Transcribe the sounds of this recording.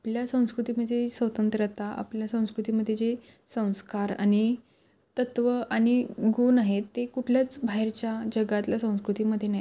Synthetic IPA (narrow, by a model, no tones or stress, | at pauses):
apljasə̃w̃skɾut̪iməesʋət̪ənt̪ɾət̪aʔa̰pljasə̃w̃skɾut̪iməd̪ʱːjed͡ze | sə̃w̃skaɾa̰ɽ̃i | t̪ət̪ʋəʔaɽ̃iɡunaɦet̪ːekuʈʰljat͡sbʱaɦeɾt͡ɕjad͡ʑəɡat̪lasə̃w̃skɾut̪iməd̪ʱːjenaɦj